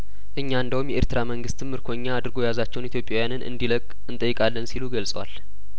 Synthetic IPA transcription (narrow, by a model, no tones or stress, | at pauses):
ʔɨɲːaɨnd̪əwumjɛʔeɾt̪ʰɨɾaməŋɡɨst̪ʰːɨmːɨɾkʰo̞ɲːaːd̪ɨɾɡo̞jazat͡ʃːɛwnit̪jo̞pʼːjawjanɨnʔɨ̰nd̪iləkʼɨnt̪ʼəjːɪkʼalːənsiluɡəlsʼəwa̰l